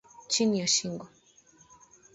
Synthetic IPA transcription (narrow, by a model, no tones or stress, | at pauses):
t͡ʃinijɔʃiŋɡɔ